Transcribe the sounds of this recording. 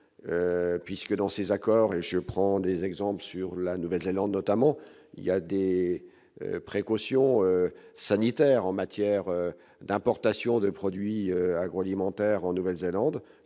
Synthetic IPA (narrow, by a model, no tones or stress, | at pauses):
øpɥiskəd̪ɑ̃sezakɔʁeʒəpχɑ̃d̪ezɛɡzɑ̃pləsyʁlanuvɛlzelɑ̃d̪nɔt̪amɑ̃ | ḭljad̪ḛ | pχekosjɔ̃øsanit̪ɛʁɑ̃mat̪jɛʁø | d̪ɛ̃pɔʁt̪asjɔ̃d̪əpχɔd̪ɥiøaɡʁoalimɑ̃t̪ɛʁɑ̃nuvɛlzelɑ̃d̪